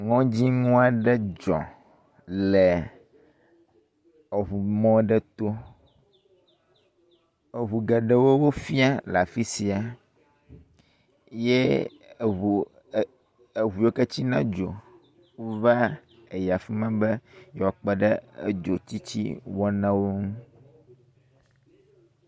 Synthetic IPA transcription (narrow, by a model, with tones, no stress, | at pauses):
ŋɔ̃˦d͡ʑi˦ŋũ˦a˨ɖɛ˦d͡ʒɔ̰̃˨ | lɛ˨ | e˨ɦu˨mɔ̃˦ɖɛ˦t̪o˦ | e˨ɦu˨ɡɛ˨ɖe˦wo˦wo˦fi˦a˦la˨fi˦si˨a˨ | je˦˨ | u˨ | e˨ɦu˨je˦ke˦t͡ɕi˦nã̰˦d͡ʒo˨ | wo˦va˦ | e˨ja˨fi˦mã˦be˦jɔ˨a˨k͡pɛ˦ɖɛ˦e˦d͡ʒo˨t͡ɕ̪i˦t͡ɕḭ˦wɔ˦nã˦wo˦ŋũ˦